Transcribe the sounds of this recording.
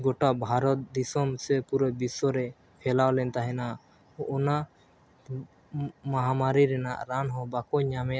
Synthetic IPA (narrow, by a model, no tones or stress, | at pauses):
ɡɔʈaʔbʱaɾɔt̪̚d̪isɔmsɛpuɾəbisɔɾɛ | pʰɛlawlɛnt̪aɦɛna | ʔɔna | maɦamaɾiɾɛna̰ʔɾanɦɔ̃bakɔɲamɛ